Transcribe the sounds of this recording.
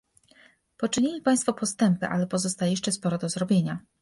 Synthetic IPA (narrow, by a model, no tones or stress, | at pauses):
pɔt͡ʂɘɲilʲipaj̃st̪fɔpɔst̪ɛmpɘʔa̰lɛpɔzɔst̪ajɛjɛʂt͡ʂɛspɔɾɔd̪ɔzɾɔbʲjeɲa